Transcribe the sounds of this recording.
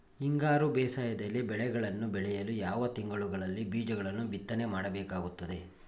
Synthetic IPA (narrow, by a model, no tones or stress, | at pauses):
iŋɡaːɾubɛːsaːjɐd̪ɐlːibɛɭɛɡɐɭɐnːubɛɭɛjɐlujaːʋɐt̪iŋɡɐɭuɡɐɭɐlːibiːd͡ʒɐɡɐɭɐnːubit̪ːɐne̞maːɽɐbɛːkaːɡut̪ːɐd̪e̞